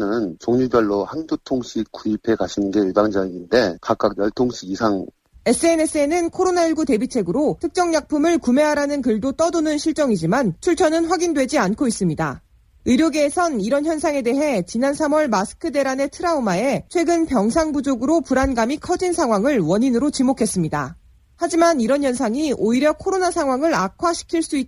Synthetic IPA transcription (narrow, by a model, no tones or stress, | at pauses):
nɯnt͡ɕoŋɲubjʌɭːohandotʰoŋɕʰikk͈ːuipʰe̞kaɕʰinɯnɡe̞ɯɭbaŋd͡ʑʌiɡinde̞kak͈ak̚jʌɭtʰoŋɕʰiɡisʰaŋ | e̞s͈ɯene̞s͈ʰɯe̞nɯnkʰoɾonaiɭɡute̞bit͡ɕʰe̞ɡɯɾotʰɯk̚t͡ɕ͈ʌŋɲak̚pʰumɯɭkume̞ɦaɾanɯnkɯɭdot͈ʌdonɯnɕʰiɭt͡ɕ͈ʌŋid͡ʑimant͡ɕʰuɭt͡ɕʰʌnɯnɸwaɡindwe̞d͡ʑiankʰois͈ɯmɲida | ɯɾjoɡeːsʰʌniɾʌnçjʌnsʰaŋe̞de̞ɦe̞t͡ɕinansʰamwʌɭmasʰɯ̥kʰɯde̞ɾane̞tʰɯɾaumae̞t͡ɕʰwe̞ɡɯnpjʌŋsʰaŋbud͡ʑoɡɯɾopuɾanɡamikʰʌd͡ʑinsʰaŋɦwaŋɯɭwʌɲinɯɾot͡ɕimokʰe̞s͈ɯmɲida̰ | had͡ʑimaniɾʌnjʌnsʰaŋioiɾjʌkʰoɾonasʰaŋɦwaŋɯɾakʰwaɕʰi̥kʰiɭs͈ui